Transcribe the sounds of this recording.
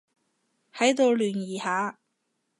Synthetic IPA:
hɐ˨˥jt̪o˨˧wlyː˨˩njiː˨˩haː˨˧

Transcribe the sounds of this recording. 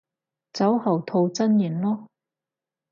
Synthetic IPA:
t͡sɐ˨˥whɐ˨˩wt̪ʰo˧wt͡sɐ˥njyː˨˩nlɔː˥

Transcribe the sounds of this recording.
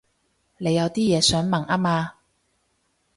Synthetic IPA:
ne˨˧jɐ˨˧wt̪iː˥jɛː˨˧sœː˨˥ŋmɐ˨˩ŋʔaː˥maː˧

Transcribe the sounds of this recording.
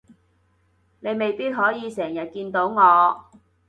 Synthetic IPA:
ne˨˧jme˨˩jpiː˥t̚ɦɔː˨˥jiː˨˧sɛː˨˩ŋjɐ˨t̚kiː˧nt̪o˨˥wŋɔː˨˧

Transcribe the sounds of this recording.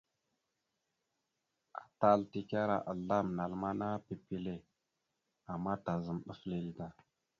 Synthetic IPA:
a˨ta˦lti˨ka˦ɾa̰˨ʔa˨la˦mna˨lma˦na˦pi˨pi˨le˨ | a˨mːa˦ta˨zə˨mɗə˦fle˨lda˨

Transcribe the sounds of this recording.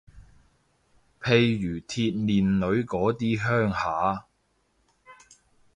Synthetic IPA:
pʰe˨jːyː˨˩t̪ʰiː˧t̚niː˨˩nlɵ˨˧˥ɥkɔː˨˥t̪iː˥ɦœː˥ŋhaː˨˥

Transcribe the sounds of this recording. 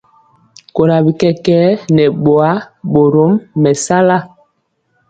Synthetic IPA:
ko˨ɾa˨bi˨kɛ˦kɛː˦nɛ˨ɓo˨a˦ɓo˨ɾo˦mːɛ˨sa˦la˦˨

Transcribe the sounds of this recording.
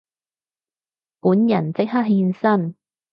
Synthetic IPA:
puː˨˥njɐ˨˩nt͡sɪ˥k̚hɦaː˥t̚ɦiː˧nsɐ˥n

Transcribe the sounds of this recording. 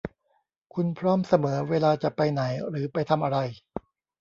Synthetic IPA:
kʰu˧npʰɾɔː˥˩msa˧mɤː˩˦weː˧laː˧t͡ɕa˨˩pa˧jna˩˦jɾɯː˩˦pa˧jt̪ʰa˧mʔa˧ɾa˧j

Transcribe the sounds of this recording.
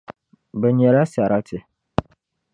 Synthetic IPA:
bɛ˨ɲɛ˨la˦sa˨ɾa˦tɪ˨

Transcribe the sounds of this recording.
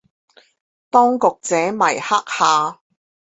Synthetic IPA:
t̪ɔː˥ŋkʊ˨k̚t͡sɛː˨˥mɐ˨˩jha˥k̚haː˨˧

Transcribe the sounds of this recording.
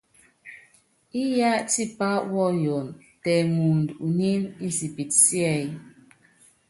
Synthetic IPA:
i˦ja˦ʔti˦pa˦ʔwɔ˦˨jo˨n | tɛ˨ŋu˨n˨du˨ɲi˦ni˦si˨pi˨t̚sjɛ˦˨j

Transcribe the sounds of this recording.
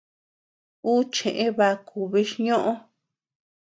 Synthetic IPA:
u˦t͡ʃẽ˨ʔẽ˧βa˧ku˧βi˧ʃɲõ˦ʔõ˦

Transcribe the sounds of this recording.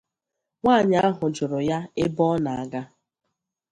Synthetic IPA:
ŋʷaː˦˨ɲa˦a˦ɦʊ˨d͡ʒʊ˨ɾʊ˨ja˦ɪ˦bɔ˦na˨a˨ɡa˦

